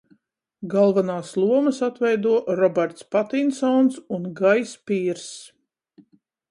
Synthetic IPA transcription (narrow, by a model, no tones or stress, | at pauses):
ɡalˠvanaːslˠuɔməsat̪vɛjd̪uɔɾɔbɛɾt̪spat̪insɔnsunɡajspiːɾs